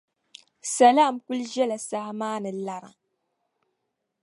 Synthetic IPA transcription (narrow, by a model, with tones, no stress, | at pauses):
sa˨laː˦˨mku˦lʒɛ˦la˨sa˨hmaː˦nɨ˨la˦ɾa̰˨